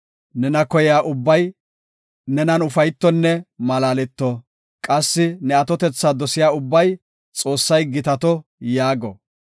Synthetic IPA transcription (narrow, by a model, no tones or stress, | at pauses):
nɛnɐkɔjjaːʔʊbːɐj | nɛnɐnʊfɐjt̪ːɔnːɛmɐlaːlɛt̪ːɔ | kʼɐsːɪnɛɐt̪ɔt̪ɛt͡sːaːd̪ɔsɪjaːʊbːɐj | t͡sʼo̞ːsːɐjɡɪt̪ɐt̪ɔjaːɡɔ̰